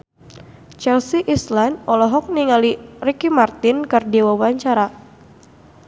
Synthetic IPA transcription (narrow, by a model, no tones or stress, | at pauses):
t͡ʃɛlsiʔislandɔlɔɦɔk̚niŋalirikimart̪ɪnkɨrdiwawaɲt͡ʃaɾa